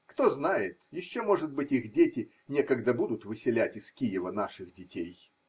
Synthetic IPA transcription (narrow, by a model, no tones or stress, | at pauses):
kt̪oznajɪt̪jɪɕːo̞mo̞ʐɨt̪̚bɨtʲixdʲetʲɪ | nʲekəɡd̪əbud̪ʊt̪vɨsʲɪlʲætʲɪskʲijɪvənaʂɨxdʲɪtʲej